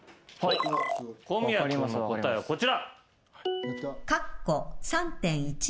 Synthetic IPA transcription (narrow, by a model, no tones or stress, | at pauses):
koːmʲiaaskot̪aeβako̞t͡ɕiɾa | kakːosãnt̪ẽ̞ɰ̃it͡ɕ